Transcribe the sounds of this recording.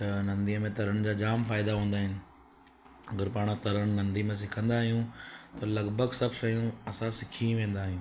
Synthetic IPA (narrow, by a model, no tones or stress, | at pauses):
t̪ɐnɐ̃nd̪iəmẽt̪ɐɾəɽ̃d͡ʑaːd͡ʑaːmfaːɪd̪aɦũːn̆d̪aːɦɪnɪ̆ | ɐɡɐɾpaːɽ̃t̪ɐɾəɽ̃nɐ̃nd̪imẽs̬ɪkʰə̃nd̪aːɦijũt̪ɐlɐɡbʱəɡsɐbʱʃɐjũɐsãsɪkʰĩʋẽːn̆d̪aːɦijũː